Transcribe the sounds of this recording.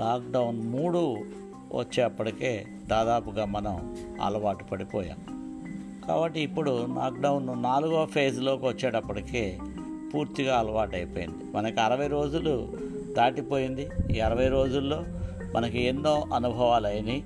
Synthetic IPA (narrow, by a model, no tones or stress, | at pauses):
laːk̚ɖɐwunmuːɽu | ʋɐ̰t͡ʃːeːɐpːɐʈikeː | d̪aːd̪aːpuɡaːmɐnɐmɐ̰lɐʋaːʈu̥pɐɽipɔːja̰ːm | ka̰ːbɐʈːiːpːuɽunaːk̚ɖɐwnːunaːluɡoːpʰeːslo̞ːkiʋɐt͡ʃːeːʈɐpːɐʈike̞ː | puːɾt̪iɡaːɐlɐʋaːʈɐjpoːjḭnd̪imɐnɐkiɐɾɐʋɐjɾo̞ːd͡ʒulu | d̪aːʈipo̞ːjind̪iiːɐɾɐʋɐjɾo̞ːd͡ʒulːo̞ː | mʔɐnɐkuenːo̞ːʔɐnubʱɐʋaːlɐjɐni